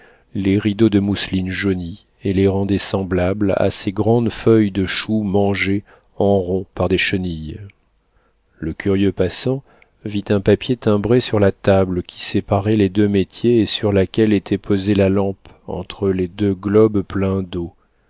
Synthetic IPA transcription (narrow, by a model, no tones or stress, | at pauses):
leʁid̪od̪əmuslinʒoni | eleʁɑ̃d̪ɛsɑ̃blabla̰seɡʁɑ̃d̪fœjd̪əʃumɑ̃ʒe | ɑ̃ʁɔ̃paʁd̪eʃənij | ləkʲyʁjøpasɑ̃ | vit̪ɛ̃papjet̪ɛ̃bʁesyʁlat̪abləkʲʰi̥sepaʁɛled̪ømet̪jeːsyʁlakʲɛlet̪ʰɛpʰozelalɑ̃p | ɑ̰̃t̪χəled̪øɡlɔbplɛ̃d̪o